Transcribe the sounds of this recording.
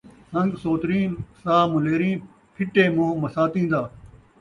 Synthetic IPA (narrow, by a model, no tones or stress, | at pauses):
hɐ̃ŋɡsoːt̪ɾĩːnsaːmʊleːɾĩː | pʰɪʈeːmõːmɐsaːt̪ĩːnd̪aː